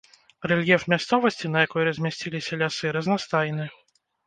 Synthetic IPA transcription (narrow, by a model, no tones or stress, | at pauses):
rɛlʲjɛfmʲast̪sɔvɐsʲt͡sʲinɐjakɔjɾɐzʲmʲasʲt͡sʲilʲisʲɐlʲasɨɾɐznast̪ajnɨ